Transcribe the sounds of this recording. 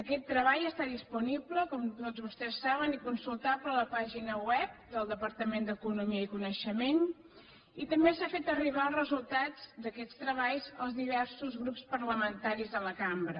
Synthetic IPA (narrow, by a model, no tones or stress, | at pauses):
əkɛt̪ːɾəβajəst̪aðispunibləkɔmt̪ozβust̪ɛsːaβ̞ənikunsulˠt̪aplələpaʒinəwɛp̚d̪əlˠd̪əpəɾt̪əmend̪əkunumiəikunəʃəmen | it̪əmbesafet̪əriβ̞alˠrəzulˠt̪ad͡zd̪əkɛst̪ɾəβajzəlˠzðiβ̞ɛɾsuzɣɾupspəɾləmənt̪aɾizðələkambɾə